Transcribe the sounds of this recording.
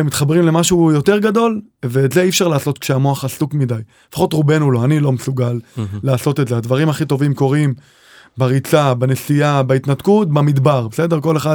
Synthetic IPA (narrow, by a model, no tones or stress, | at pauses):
emit̪χabʁimle̞maʃujo̞t̪e̞ʁɡado̞lveːtzeifʃaʁlaːso̞t̪kʃeamoaχasukmidaj | e̥faχo̞t̪ʁube̞nulo̞anilo̞mesuɡalːaːso̞t̪etze̞ad̪vaʁimaχit̪o̞vimko̞ʁim | baʁit͡sabane̞siabait̪natkut̚bamid̪baʁbese̞de̞ʁko̞le̞χa